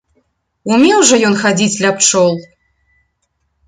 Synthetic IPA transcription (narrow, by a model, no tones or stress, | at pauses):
umʲɛwʐɔjɔnxad͡zʲit͡sʲlʲap̚t͡ʂɔlˠ